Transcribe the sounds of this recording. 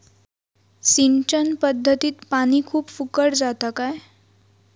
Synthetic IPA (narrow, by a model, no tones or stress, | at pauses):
sint͡ɕənpəd̪ʱːət̪iːt̪paɽ̃ikʰuːpfukəɽd͡zat̪akaj